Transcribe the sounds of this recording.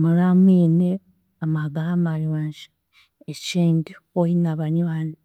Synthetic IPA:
mulamwiːne | amaɡaamaliwaːɲʒḁ | et͡ʃiːndioinaβaɲwaːni

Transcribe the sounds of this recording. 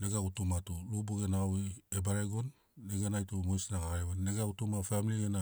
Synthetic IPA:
neɡaɡutumatulubuɡenawiebaɾeɡonː | eɡanajtumojsnaɡaɡaɾeβanːeɡautumafamiliɡena

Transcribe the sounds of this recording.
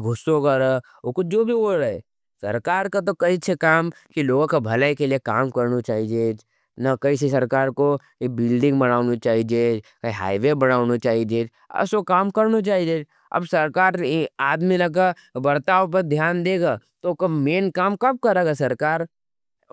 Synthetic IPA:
ɡʱʊsokɐɾa | okod͡ʒoːbʱioɽɛ | sɐ̰ɾkaːɾkat̪̬okɐisʰekaːmkiloːɡõkabʱɐlaikeliekaːmkɐɾnut͡ʃaːɦid͡ʒeːd͡ʒ | nakɐis̬isɐɾkaːɾko | bɪlɖɪ̃ŋɡbɐñaːʊnut͡ʃaːɦid͡ʒed͡ʒkaiɦa̰ːiʋebɐɽaːʊnot͡ʃaːɦid͡ʒeːd͡ʒ | ɐ̰sokaːmkɐɾnot͡ʃaːɦid͡ʒeːd͡ʒ | ɐ̰bsɐɾkaːɾaːd̪milɐk̬a | bɐɾt̪aːʋop̬ɐɾd̪ʱjaːnd̪eːɡat̪okomeːnkaːmkɐb̚kɐɾeːɡasɐɾkaːɾ

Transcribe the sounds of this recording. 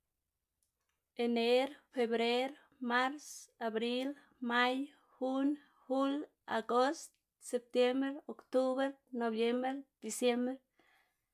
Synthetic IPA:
eneɾfebɾeɾ | maɾsabɾil | maj | hun | hul | aɡost̪ | sep̚t̪jembɾokt̪uβeɾnobjembeɾd̪̥isjembɾe

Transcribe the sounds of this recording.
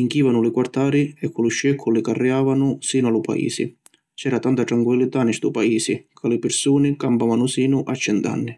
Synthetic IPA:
iŋkiːvanʊlɪkwart̪aːɾɪɛkʰːʊlʊʃːɛkʰːʊlɪkarːiaːvanʊsiːnʊalʊpa̰ḭːsɪ̰ | t͡ʃɛːɾat̪ant̪at̪ɾaŋkwilːɪt̪anɛst̪upaiːsɪkʰalɪpɪɾsuːnɪkampavanʊsiːnʊʔat͡ʃːɛnt̪a̰nːɪ

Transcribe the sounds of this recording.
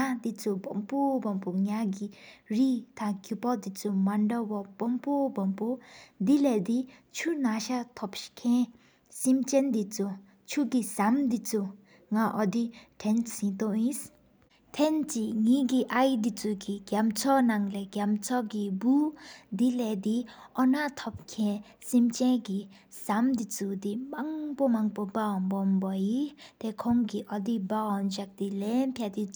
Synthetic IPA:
ŋad̪it͡subɔmpubɔmpuŋjaɡiɾit̪ʰãkupɔd̪it͡sumaɳɖɔbɔb̥ɔmpɔbɔmpud̪ilɛd̪it͡ʃʰunaʃat̪ʰɔpʃkʰẽ | simt͡ʃɛnd̪it͡su | t͡ʃʰuɡisamd̪it͡su | ŋaʔɔd̪iʈʰensĩt̪ɔĩs | t̪ʰɛnt͡ɕiŋiɡiʔajd̪it͡suɡiɡjamt͡sʰɔnaŋlɛɡʲamt͡sʰɔɡibud̪ilɛd̪iʔɔnat̪ʰɔp̚kʰɛ̃ | simt͡ɕɛ̃nɡi | samd̪it͡sud̪imaŋpomaŋpobaɔnbɔmbɔjit̪ekʰɔŋɡiʔɔd̪ibaɔnɕak̚d̪ilɛnpʰjad̪i

